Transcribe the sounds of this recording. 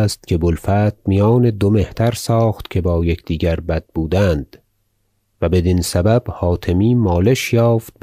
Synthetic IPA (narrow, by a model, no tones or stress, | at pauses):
st̪̚cʲʰe̞bolfæːt̪̚mijɒːne̞d̪ome̞ht̪ʰæɾsɒːχt̪cʰe̞bɒːje̞kʰd̪̥iːɟæɾbæd̪̥̚buːd̪ænd̪̥ | væbe̞d̪insæbæb̥hɒːt̪ʰemiːmɒːle̞ʃjɒːft̪̚b